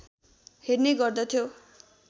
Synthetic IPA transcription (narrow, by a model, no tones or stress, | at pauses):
herneɡʌrd̪ʌt̪ʰjo